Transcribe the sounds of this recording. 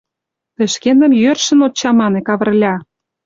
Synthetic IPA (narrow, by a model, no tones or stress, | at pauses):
t̪ə̆ʃkend̪ə̆mjørʃə̆not͡ɕːɑmɑnekɑβə̆rlʲɑ